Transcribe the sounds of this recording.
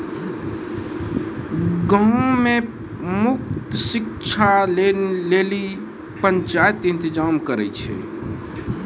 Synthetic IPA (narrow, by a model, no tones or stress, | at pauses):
ɡə̃me | mʊk̚t̪sɪkt͡ʃʰaleleli | pəɲt͡ʃajət̪ɪ̃nt̪ɪd͡ʒamkəɾɛ̰t͡ʃʰɛ̰